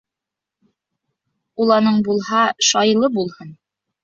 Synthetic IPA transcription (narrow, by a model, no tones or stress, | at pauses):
ulˠɑnɤɴbulˠhɑʃɑjlˠɤbulˠhɤn